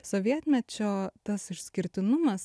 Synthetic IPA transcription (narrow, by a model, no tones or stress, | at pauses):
soːʋʲiɛt̪ʲmʲɛt͡ʃʲoːt̪ɐsɪʃsʲkʲɪɾʲt̪ʲɪnʊmɐs